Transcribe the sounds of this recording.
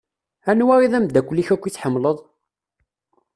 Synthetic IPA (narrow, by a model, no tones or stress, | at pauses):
ænwæɾiðˤæmd̪ækʷːlːiçækʷːit͡sːħəmːləðˤ